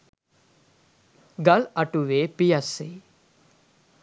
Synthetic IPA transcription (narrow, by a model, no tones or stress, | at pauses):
ɡɐlɐʈuʋeːpijɐse